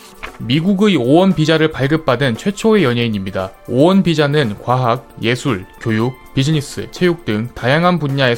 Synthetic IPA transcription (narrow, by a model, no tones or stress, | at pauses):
miɡuɡɯowʌnpid͡ʑaɾɯɭpaɭɡɯp̚p͈adɯnt͡ɕʰwe̞t͡ɕʰoe̞jʌɲeiɲimɲidaowʌnpid͡ʑanɯnkwaɦak̚je̞sʰuɭk͈jojuk̚pid͡ʑɯɲis͈ɯ̰t͡ɕʰe̞juk̚t͈ɯŋtajaŋɦanpuɲːae̞